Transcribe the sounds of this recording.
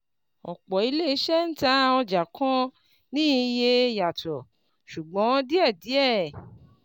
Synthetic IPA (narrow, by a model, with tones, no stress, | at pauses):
ɔ̰˨k͡pɔ˨i˨˧˦le˦i˨˦ʃɛ˦n̩˦ta˦ɔ˧d͡ʒa˨kʰɔ̃˦ | nĩː˦je˧˦ja˨tɔ˨ | ʃu˨ɡ͡bɔ̃˨˦di˦ɛ˦˨di˨˦ɛ˦˨